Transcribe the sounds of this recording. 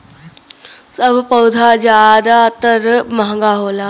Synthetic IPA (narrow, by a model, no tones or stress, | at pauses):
səbpəwd̪ʱad͡ʒjaːd̪at̪əɾmaɦɡaɦoːlaː